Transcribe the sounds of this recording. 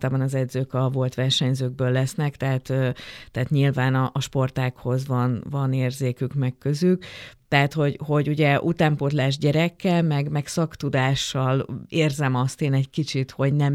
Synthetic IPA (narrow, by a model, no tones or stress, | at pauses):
t̪aːbɒnɒzɛd̪zøːkɒvo̞lt̪ʋɛrʃɛɲzøːɡ̚bøːlːɛsnɛkt̪ɛɦaːt̪øːt̪ɛɦaːt̪ɲilvaːnɒʔɒʃpo̞rt̪aːkho̞zvɒnvɒneːrzeːkykmɛkkøzykt̪ɛɦat̪ho̞ɟho̞ɟuɟɛʔut̪aːmpot̪laːʒɟɛɾɛkːɛlmɛɡmɛksɒkt̪ud̪aːʃːɒleːrzɛmɒst̪eːnɛɟkit͡ʃit̪ho̞ɟnɛm